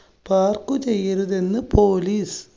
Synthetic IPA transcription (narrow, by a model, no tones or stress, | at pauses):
paːrkut͡ɕe̞jːɐɾuðe̞nːɨpʰoːliːs